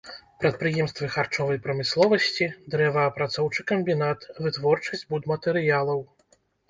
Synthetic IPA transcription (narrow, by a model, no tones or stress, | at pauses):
pɾɐt̪̚pɾɨjɛmst̪vɨxart͡ʂɔvɐjpɾɐmɨslˠɔvɐsʲt͡sʲid̪ɾɛvɐːpɾat̪sɔwt͡ʂɨkɐmʲbʲinat̪vɨt̪vɔrt͡ʂɐsʲd͡zʲbud̪mɐt̪ɛɾɨjalˠɐw